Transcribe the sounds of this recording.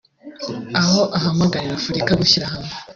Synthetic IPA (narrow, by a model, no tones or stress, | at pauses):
aho̞ʔaɦamaɡaɾiɾafuɾikaɡuçiɾahamŋe